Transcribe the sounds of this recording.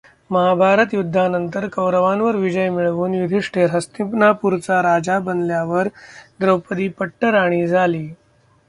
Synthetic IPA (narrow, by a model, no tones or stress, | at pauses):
məɦabʱaɾət̪jud̪ʱːanənt̪əɾkəwɾəʋanʋəɾʋid͡ʑəjmiɭʋuːnʋid̪ʱiʂʈʰeɾɦəst̪ipnapuɾt͡saɾad͡zabənljaʋəɾd̪ɾəwpəd̪iːpəʈːəɾaɽ̃iːd͡zʱaliː